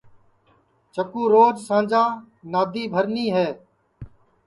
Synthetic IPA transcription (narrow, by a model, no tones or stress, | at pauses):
t͡ʃəkuːɾoːd͡ʒsãːd͡ʒaː | naːd̪ʱiːbʱəɾniːɦɛː